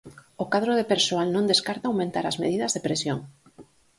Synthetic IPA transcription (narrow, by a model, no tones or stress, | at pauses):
okað̞ɾoðepeɾsoalnõnd̪eskaɾt̪aːwmẽnt̪aɾɐzmḛðiðɐzðepɾesjoŋ